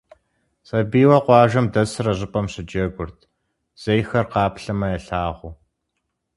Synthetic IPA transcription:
sɐbiːwɐqʷɑːʒɐmdɐsɨrɐʑɪpʼɐmɕɪd͡ʒɐɡʷʊrtʰ | z̥ejxɐrqɑːpɬɐmɐjɛɬaːʁʷʊː

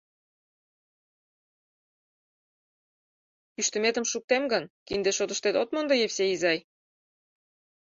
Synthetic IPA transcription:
pyʃt̪ə̆met̪ə̆mʃuk̚t̪emɡɤ̆nkind̪eʃot̪ə̆ʃt̪et̪ot̪mond̪ɤjefseizɑj

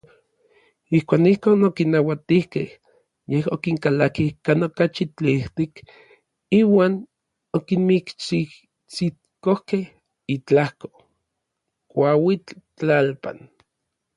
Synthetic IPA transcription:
ihkʷaːnihkoːnokinːawat̪ihkeh | jehokiŋkalakihkanokat͡ʃit͡ɬiht̪ik | iːwaːn | okinmikt͡ʃi | t͡sit̪ | kohkeh | it͡ɬahko̥ | kʷawit͡ɬt͡ɬalpa̰n

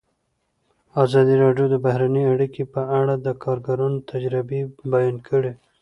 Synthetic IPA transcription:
azɑd̪iɾɑɖjod̪əbahɾaniaɽikepəaɽad̪əkʰɑɾɡaɾunt̪ʰad͡ʒɾɪbebajɑnkʰəɽe

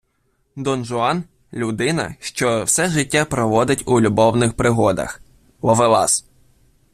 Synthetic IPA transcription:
d̪ɔnʒʊɑn | lʲud̪ɪnɐ̰ʃt͡ʃɔwsɛʒɪtʲːapɾɔʋɔd̪ɪtʲulʲubɔwnɪxpɾɪɦɔd̪ɐ̰x | ʋɔʋɪlˠɑ̰s

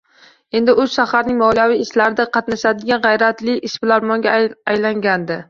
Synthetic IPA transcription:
e̞nd̪ɪʊzʃahaɾnɪŋmɒljavijːʃlaɾɪd̪aqʰɑt̪naʃad̪ɪɡʲanʁɑjɾat̪lɪʔɪʃbɪlaɾmɒŋɡʲaajlaŋɡʲand̪ɪ

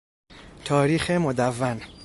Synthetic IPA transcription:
t̪ʰɒːɾiːxemod̪ævːæn

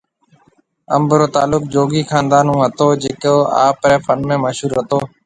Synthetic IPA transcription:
əmbɾoːt̪aːlʊk̚d͡ʒoːɡiːkʰaːnd̪aːnũːɦət̪oːd͡ʒeːkoːa̰ːpɾɛːfənmẽːməʃɦuːɾɦət̪oː

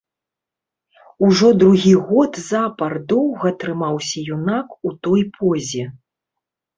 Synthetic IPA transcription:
uʐɔd̪ɾuɣʲiɣɔt̪zapɐrd̪ɔwɣɐt̪ɾɨmawsʲɐjunakut̪ɔjpʰɔzʲɛ

